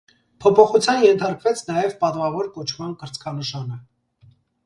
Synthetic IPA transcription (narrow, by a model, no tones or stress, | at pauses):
pʰɔpʰɔχut͡sʰjɑnjɛnt̪ʰɑɾkvɛt͡sʰnɑjɛvpɑt̪vɑvɔɾkɔt͡ʃʰmɑnkəɾt͡sʰkʰɑnəʃɑnə